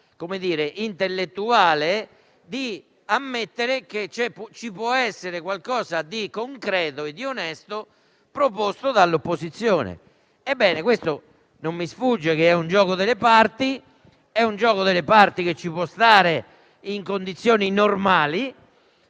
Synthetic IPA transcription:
komed̪iːɾeʔint̪elːet̪ːuaːle | d̪i | amːet̪ːeɾeket͡ʃɛpt͡ʃipwɔɛsːeɾekwalkɔːzad̪ikoŋkɾɛːt̪oɛd̪ːionɛst̪o | pɾopost̪oðalːopːozit̪sːjɔːnḛ | ɛbːɛːnekwest̪o | nomːisfud͡ʒːɛk̟eɛund͡ʒɔːɣoðelepaɾt̪i | ɛund͡ʒɔːɣoðelepaɾt̪ik̟et͡ʃːipwɔst̪aːɾe | iŋkond̪it̪sːjoːninoɾmaːli

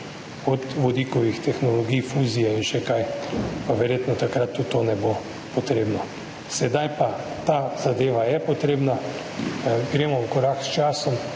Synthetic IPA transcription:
ɔt̪ʋɔd̪ikɔʋixt̪ɛxnɔlɔɡijfuːzijɛinʃɛkajpaʋɛɾjeːt̪nɔt̪akɾat̪ːut̪ːonɛbo | pɔt̪ɾeːbnɔ | sɛd̪ajpa | t̪az̥ad̪eːʋajɛpɔt̪ɾeːbna | ɡɾeːmɔukɔɾakst͡ʃaːsɔm

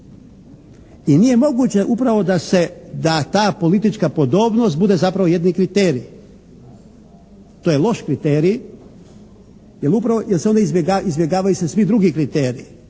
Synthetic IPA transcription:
inije̞mo̞ɡut͡ɕe̞ʔupɾaʋo̞d̪ase̞d̪at̪aːpo̞lit̪it͡ʃkapo̞d̪o̞ːbnost̪bud̪e̞zapɾaʋoje̞d̪nikɾit̪eːɾi | t̪oːjelˠo̞ʃkɾit̪eːɾi | jelupɾaʋojelseo̞nd̪aizbʲjeɡaizbʲjeɡaːʋajusesʋid̪ɾuɡikɾit̪eːɾiː

